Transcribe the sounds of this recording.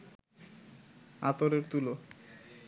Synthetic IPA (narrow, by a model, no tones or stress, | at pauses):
at̪oɾeɾt̪ulo